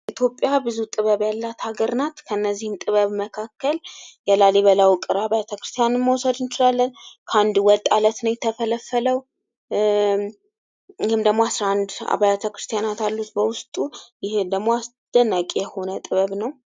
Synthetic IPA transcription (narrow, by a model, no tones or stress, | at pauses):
ʔit̪ʰjo̞pʼːjabɨzut̪ʼɨβəβjalːat̪haɡəɾnat̪kʰəɨnːəzːihɨmt̪ʼɨβəβməkʰakːəljɛlaleβəlawkʼɨɾaβajat̪ʰəkɾɨ̥st̪ʰijanɨmməwsəd̪ɨnt͡ʃɪlalːənkʰand̪wɔt̪ʼalət̪nəwjɛt̪ʰəfələfːələw | jɪhɨmd̪əɡmoasɾaand̪a̰βajat̪ʰəkɾɨst̪ʰijanat̪alːut̪bəwʊst̪ʼujɪhd̪əɡmo̞as | d̪̥ənːakʼijɛho̞nət̪ʼɨβəβnəw